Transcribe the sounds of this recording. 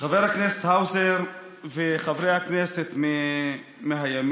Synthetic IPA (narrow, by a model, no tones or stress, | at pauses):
χaveɾhaknese̥t̪hawzeɾ | veχavɾejhakneset̪me | meɦajam